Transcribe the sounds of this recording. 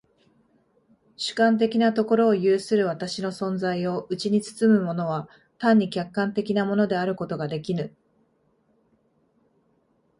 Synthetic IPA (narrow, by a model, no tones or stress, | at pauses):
ɕɨ̥kãnt̪̬e̞kʲinat̪o̞ko̞ɾo̞ːjɯːsɨɾɯ̟β̞at̪aɕino̞sõ̞nd͡zaio̞ʔɯ̟t͡ɕiɲ̟it͡sɨ̥t͡sɨmɯ̟mo̞no̞β̞a | t̪ãɲ̟ːikʲakːãnt̪e̞kʲinamo̞no̞d̪e̞aɾɯ̟ko̞t̪o̞ɡad̪e̞kʲinɯ̟